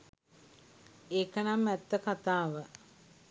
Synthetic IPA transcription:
eːkənamːɛt̪ːəkat̪aːʋə

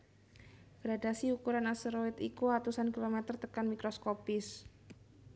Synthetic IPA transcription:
ɡ̥ɾadasiukuɾanasəɾoɪt̪ikuat̪usankilomɛt̪ərt̪əkanmikɾoskopɪs

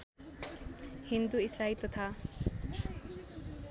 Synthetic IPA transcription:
hind̪uisajt̪ʌt̪ʰa

